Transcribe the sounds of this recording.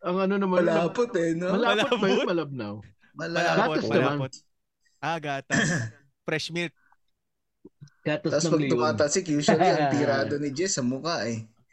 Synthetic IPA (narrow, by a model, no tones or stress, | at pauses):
ʔɐŋɐnonɐmanmɐlaːpot̪ɛnomɐlaːlot̪̚ːbɐjʊnmɐlɐb̚nɐw | mɐlaɡaːosnɐman | aɡat̪ | pɾɛsmilt̪̚ | ɡ̥aːt̪oasnɐpɐɡ̪ʊmaːt̪ɐsɪkjuːsɐlliɐŋɪɾaːd̪onɪd͡ʒɛsɐmʊkaʔɛ